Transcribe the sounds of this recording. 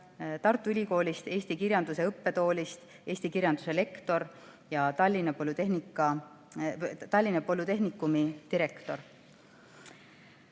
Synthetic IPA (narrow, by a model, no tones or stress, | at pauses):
t̪ɑrt̪ːˑuylʲiko̞ːlʲist̪e̞ːst̪ikiɾʲjɑnd̪use̞ɤpːe̞t̪o̞ːlʲist̪ | e̞ːsʲt̪ikiɾjɑnd̪̥use̞le̞kt̪o̞ɾ | jɑt̪ɑlʲːinɑpolut̪eɦnikːˑɑ | t̪ɑlʲːinɑpolːut̪e̞ɦnikːˑumit̪iɾe̞kt̪o̞r